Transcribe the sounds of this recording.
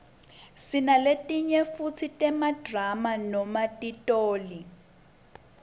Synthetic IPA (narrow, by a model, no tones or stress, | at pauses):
sinaletʼiɲɛfut͡sʰitʼɛmadramanɔmatʼitʼoːli